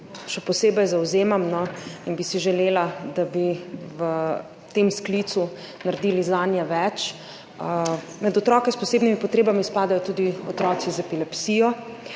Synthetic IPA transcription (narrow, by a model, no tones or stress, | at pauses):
ʃɛpɔseːbɛjzawzeːmamnɔinbisiʒɛleːlad̪abiʋə | t̪emsklit̪su | naɾd̪iːlizaːnjɛʋɛt͡ʃ | mɛd̪ɔt̪ɾɔːkɛspɔseːbnimipɔt̪ɾeːbamispaːd̪ajɔt̪uːd̪iɔt̪ɾɔːizɛpilɛpsijɔ